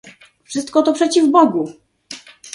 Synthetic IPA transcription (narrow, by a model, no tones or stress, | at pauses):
fʂɘst̪kɔt̪ɔpʂɛt͡ɕivbɔɡu